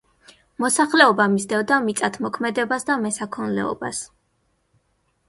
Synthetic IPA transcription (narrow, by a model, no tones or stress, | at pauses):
mɔsaχlɛɔbamisd̪ɛvd̪amit̪sʼat̪ʰmɔkʰmɛd̪ɛbasd̪amɛsakʰɔnlɛ̰ɔ̰ba̰s